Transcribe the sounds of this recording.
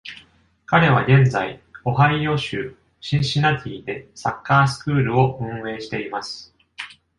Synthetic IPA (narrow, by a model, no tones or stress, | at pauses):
kaɾe̞βaɡẽ̞nd͡zaio̞ɦaijo̞ɕɨː | ɕĩɰ̃ɕinat̪ʲʰiːd̪e̞sakːaːsɨ̥kɯ̟ːɾɯ̟o̞ɯ̟̃ɰ̃e̞ːɕi̥t̪e̞imasɨ̥